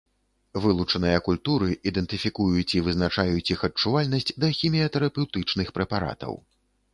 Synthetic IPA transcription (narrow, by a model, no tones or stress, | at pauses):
vɨlˠut͡ʂɐnɨjɐkulʲt̪uɾɨʔid̪ɛnt̪ɨfʲikujut͡sʲivɨznat͡ʂajut͡sʲixɐt͡ʂːuvalʲnɐsʲt͡sʲd̪ɐxʲimʲiɐt̪ɛɾɐpɛwt̪ɨt͡ʂnɨxpɾɛpaɾa̰t̪ɐ̰w